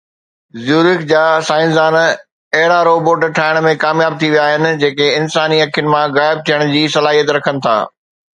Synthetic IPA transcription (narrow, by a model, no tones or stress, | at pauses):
zjuːɾɪkd͡ʑaːsaːɪnzaːn | ɐɦɪɽaɾoːboːʈʈʰaːɪɽ̃mẽkaːmjaːb̚t̪ʰiʋijaːɦɪnɪ̆d͡ʑeːkeɪnsaːniɐkʰjʊnɪ̆mãɣaːɪb̚t̪ʰijəɽ̃d͡ʑiːsɐlaːɦijət̪ɾɐkʰənɪ̆t̪ʰa̰ː